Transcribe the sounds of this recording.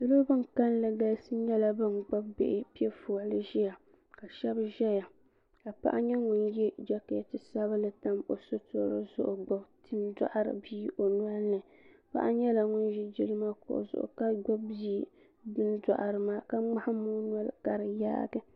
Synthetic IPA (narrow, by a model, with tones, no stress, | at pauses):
dʊ˦lo˦bɨ˦ŋka˦n˦lɨ˨ɡa˦sɨ˦ɲɛ˦la˦bɨ˦nɡ͡ba˦bbḛ˨ʔɪ˦pi˦ɛ˦fʊː˨lɨ˦ʒɛ˦ja˨ | ka˨ʃɛ˦bʒɛ˦ja˨ | ka˨pa̰˦ʔa˦ɲɛ˦ŋʊ˦njɛ˦d͡ʒa˦kɪ˨ja˨tɨ˦sa˦ba˦lɨ˨ta˦mo˨so˦to˨˦ɾɨ̰˦zʊ̰˦ʔʊ˨ɡ͡ba˦btʰɨ˦nda̰˦ʔa˨ɾɨ̰˨biː˦ʔo˨nwa˦lnɨ˨ | pa̰˦ʔa˦ɲɛ˦la˨ŋʊ˦nʒi˦d͡ʒi˦lɨ˦ma˦kʊ̰˨ʔʊ̰˨zʊ̰˨ʔʊ̰˨ka˦ɡ͡bɔ˦bbiː˦ | bɨ˦nda̰˨ʔa˨ɾɨ˨maː˦ka˦ŋ͡ma˦ha˦mu˦n˦a˦lka˨ɾɨ˨ja̰ː˦ɡɨ˦